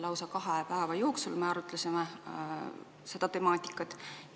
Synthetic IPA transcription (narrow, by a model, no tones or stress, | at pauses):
lɑwsɑkɑɦepæevɑjo̞ːksulmeɑɾut̪ːˑlesime | se̞d̪̥ɑt̪e̞mɑːt̪ʲˑi̥kːˑɑt̪ːˑ